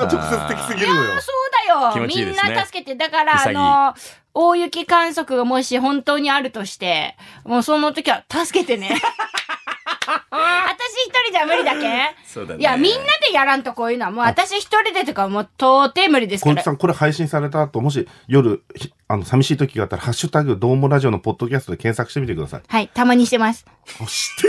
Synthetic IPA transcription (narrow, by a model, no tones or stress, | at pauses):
t͡ɕokset͡sɨ̥t̪ekʲi̥sɨɡʲiɾɯso̞ːd̪ajo̞mʲĩnnːat̪asɨ̥ke̞t̪e̞d̪akaɾaːno̞ | oːjɯ̟kʲikãɰ̃so̞kɯ̟ɡamo̞ɕihõ̞nt̪o̞ːɲ̟iaɾɯ̟t̪o̞ɕi̥t̪e̞moːso̞not̪o̞kʲiβat̪asɨ̥ke̞t̪e̞ne̞ | at̪aɕiçi̥t̪o̞ɾʲid̪amɯ̟ɾʲid̪akeoːjamʲĩnːad̪e̞jaɾãnt̪oko̞ːjɯ̟ːnoamoːat̪aɕiçi̥t̪o̞ɾʲid̪et̪okamoːt̪oːt̪e̞mɯ̟ɾʲid̪e̞sɨkkaɾisãŋko̞ɾehaiɕĩsaɾe̞t̪aːt̪o̞mo̞ɕ̬i | jo̞ɾɯ̟ç | ano̞samʲiɕiːt̪o̞kʲiɡaːt̪ːaɾahaɕːɨt̪aɡɯ̟d̪o̞ːmoɾaʑio̞no̞po̞d̪̥ːo̞kʲasɨ̥t̪o̞d̪e̞kẽɰsakɯ̟ɕi̥t̪emit̪e̞kɯ̟d̪a̰sa̰ihait̪amaɲ̟iɕi̥t̪e̞masɨ̥ | oɕ